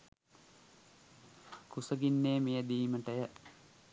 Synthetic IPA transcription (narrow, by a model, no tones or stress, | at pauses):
kusəɡinːeːmejəd̪iːməʈəjə